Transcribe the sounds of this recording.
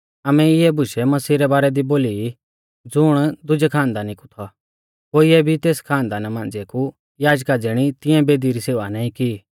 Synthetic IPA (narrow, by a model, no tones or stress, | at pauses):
aːmɛɪɛbʱʊʃɛmɐsiːɾɛbaːɾɛd̪iboːliː | d͡zʊɽ̃d̪ʊd͡ʒɛkʰãːnd̪anɪkut̪ʰɔ | koːiɛbʱit̪eːskʰãːnd̪anamãːnd͡zeku | jaːd͡ʒkad͡zeːɽ̃it̪ɪ̃ɛ̃beːd̪iɾiseːʋanãːĩkiː